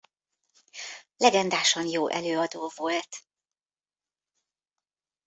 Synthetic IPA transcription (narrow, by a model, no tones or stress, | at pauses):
lɛɡɛnd̪aːʃɒnjoːʔɛ̰løːɒd̪oːvo̞lt̪